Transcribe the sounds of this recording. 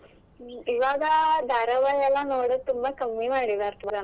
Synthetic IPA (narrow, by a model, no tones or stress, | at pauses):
iʋaːɡad̪ʱaːɾɐʋajɛlːanoːɽət̪umbakɐmːimaːɽid̪aɾt̪ʰɐa